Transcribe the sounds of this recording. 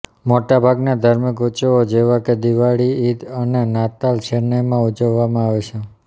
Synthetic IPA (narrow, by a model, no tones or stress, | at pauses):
moʈabʱaɡnad̪ʱaɾmikut͡ʃood͡ʒeʋaked̪iʋaɽiːd̪ənenat̪alʃeɾnəmãud͡ʒəʋːamãaʋet͡ʃʰe